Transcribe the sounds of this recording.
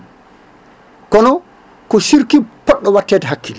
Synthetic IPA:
kɔnɔ | kɔsiɾkipɔɗːɔwatːɛːtɛɦakːil

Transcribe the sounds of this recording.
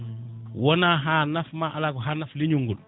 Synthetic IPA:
wonaɦaːnafmaʔalaːkoɦanafliɲuŋɡul

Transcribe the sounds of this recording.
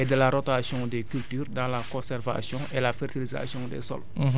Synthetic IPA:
edəlaɾotasjɔ̃dekyltyːrdɑ̃lakɔ̃sɛrva̰sjɔ̃ʔelafɛrtiliza̰sjɔ̃dḛsɔ̰l

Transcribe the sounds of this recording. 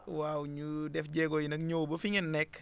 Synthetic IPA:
wawɲudɛfɟɛɡɔjinɐkɲowbɐfiŋɛnːɛk

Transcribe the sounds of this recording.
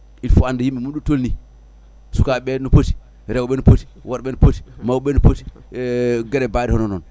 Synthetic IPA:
ilfuandɛjimːimuɗutolni | sukaɓɛnɔpoti̥ | ɾɛwɓɛnupoti̥waɾɓɛnupoti̥mawɓɛnupoti̥ | ɡɛɾɛbadihɔnɔnɔn

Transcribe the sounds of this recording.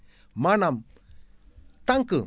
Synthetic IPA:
manam | t̪aŋkɯ

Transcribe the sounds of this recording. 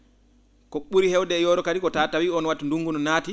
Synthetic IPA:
kɔɓuɾihɛwdɛjɔːɾɔkadikɔtaːtawiɔnwatːinduŋɡunɔnaːti

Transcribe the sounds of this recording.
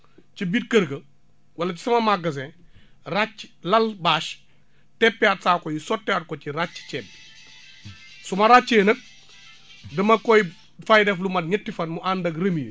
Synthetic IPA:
cibiːt̚kəɾɡɐ | wɐlɐt͡ʃi̥sɐmɐmaɡɐs̬ɛ̃ | rat͡ʃːlɐlbaːʃ | tɛpːiatsaːkɔjisɔtːɛat̚kɔt͡ʃiɾat͡ʃːt͡ʃɛːb | sɔmɐɾat͡ʃːeːnɐk̚ | dɐmɐkɔj | fajdɛflumɐtɲɐtːifɐnmuʔandɐkrɐmij̰

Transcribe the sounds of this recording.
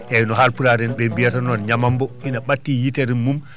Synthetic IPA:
ʔɛjnɔɦaɾpuɾaɾɛnɓɛmbijatanɔnɲamambɔʔinaɓatːijiteɾimːum

